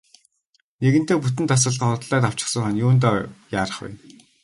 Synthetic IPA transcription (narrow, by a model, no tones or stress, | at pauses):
neɣɘ̆nt̪eːput̪ɘ̆nt̪ʰas̬ə̆ɮɢə̆χʊt̪ɮæːt̪aw̥t͡ɕɪ̆χsə̆ŋχœnjuːnt̪̬ɔːjaːɾə̆χpæ̰n